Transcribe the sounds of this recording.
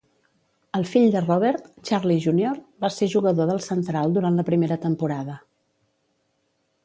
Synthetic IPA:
əlˠfiʎd̪ərɔβɛɾt̪t͡ʃaɾliʒunjoɾbaseʒuɣəðoðəlˠsənt̪ɾalˠd̪uɾanləpɾimeɾət̪əmpuɾaðə

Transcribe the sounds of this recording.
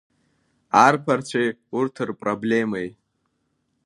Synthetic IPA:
arpʰart͡ɕʷʰejurtʰɨrpʼroblʲemej

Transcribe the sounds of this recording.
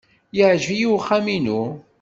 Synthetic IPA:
jəʕʒvijiwχːæminu

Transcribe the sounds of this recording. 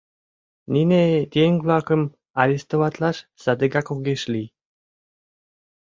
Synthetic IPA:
ninet̪ʲeŋvlɑkə̆m | ɑɾʲist̪oβɑt̪lɑʃsɑd̪əɡɑkoɡeʃli

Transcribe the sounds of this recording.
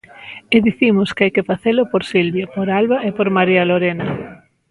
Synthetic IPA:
eðiθimʊskɪajkɪfaθelʊpoɾsilβjapoɾalβaepoɾmaɾialoɾenɐ

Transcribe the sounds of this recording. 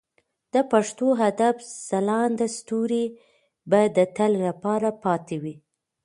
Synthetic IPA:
d̪̥əpaʂt̪oɦad̪afsalɑnd̪əst̪uɾi | bad̪ət̪əllapɑɾapɑt̪ewi

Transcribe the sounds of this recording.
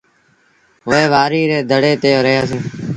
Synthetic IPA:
ʋəeːʋaːɾiːɾeːd̪ʱəɽeːt̪eːoːɾəɦjaːsẽː

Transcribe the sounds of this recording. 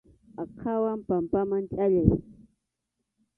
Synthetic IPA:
akʰawampampamaŋt͡ʃʼaʎaj

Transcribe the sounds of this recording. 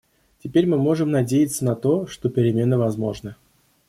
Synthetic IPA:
tʲɪpʲeɾʲmɨmo̞ʐɨmnɐdʲejɪt̪sənɐt̪o̞ʂt̪o̞pʲɪɾʲɪmʲe̞nəvɐzmo̞̰ʐnə

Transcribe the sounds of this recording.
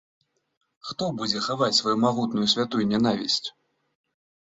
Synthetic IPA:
xt̪ɔbud͡zʲɛxavat͡sʲsvajumaɣut̪nujusʲvʲat̪ujunʲɛn̪avʲḭsʲt͡sʲ

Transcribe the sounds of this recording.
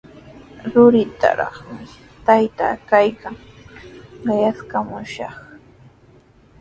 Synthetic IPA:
ɾʊɾɪt̪a̰ɾɑ̰χmɪ | t̪ajt̪a̰ːkajkaŋ | ɢɑjaskamʊʃɑχ

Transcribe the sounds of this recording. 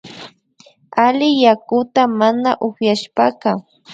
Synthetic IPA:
alɪjakʊt̪amanaʔʊχjaʃpaka

